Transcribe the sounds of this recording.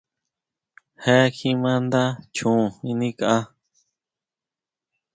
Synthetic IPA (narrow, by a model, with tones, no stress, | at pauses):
he˦kʰĩ˧mã˦nd̪a˦t͡ʃũ˨ĩ˧nĩ˦ka˧a˦